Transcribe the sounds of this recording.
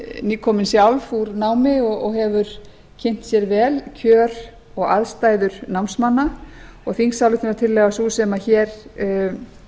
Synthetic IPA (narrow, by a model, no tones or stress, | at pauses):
niːkʰɔmɪnsjawlfuɾnaːwmɪɔɣɔɣɦɛvʏɾ | cʰɪn̥t̪sjɛɾvɛːlcʰœːɾ | ɔɣa̰ðst̪aːjðʏɾ̥nawmsmanːaɔɣθiŋsawlɪt̪ɪnat̪ʰɪlːɛɣasuːsɛmaçɛːɾ̥